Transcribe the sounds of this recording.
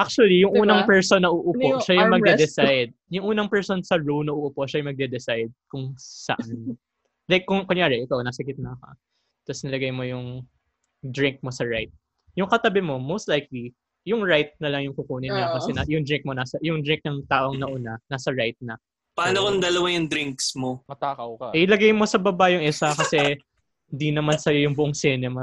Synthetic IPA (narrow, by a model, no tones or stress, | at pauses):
ʔak̚t͡ʃʊɐlijʊŋʔuːnɐŋpɛɹsonːɐʔuʔʊoʃajʊŋmɐɡ̪ɛd̪ɛsajd̪̚jʊŋʔuːnɐŋpɛɹsonsɐɹolnɐʔuʔʊpoʔʃajʊŋmɐɡ̚d̪ɛd̪ɛsajd̪̚kʊŋsɐ̰ʔan | lajkːʊŋkʊŋjaːɾɛʔɪkawnɐsɐɡɪt̪̚nɐɐkɐ̰ | t̪ɐsnɐlɐɡajmo̞jʊŋ | d̪ɹɪŋk̚mosɐɹajt̪̚ | jʊŋkɐt̪ɐbɪmo̞mowst̪lajk̚li | jʊŋɹajt̪̚nɐlɐŋjʊŋkʊkuːnɪɲakɐsɛnajʊŋd̪ɾɹɪŋk̚mo̞naːsɐjʊŋd̪ɾɹɪŋk̚nɐŋt̪aːʔo̞ŋnɐʔʊnanasɐɹajt̪̚nɐ | paːnokond̪ɐlɐwajʊŋd̪ɾɪŋksmomɐt̪aːkɐwkaʔɛʔɪlɐɡajmo̞sɐbɐbajʊŋʔɛsakɐsɛ | hnd̪inɐmansɐjo̞jʊŋbʊʔoŋsɛnɛmɐ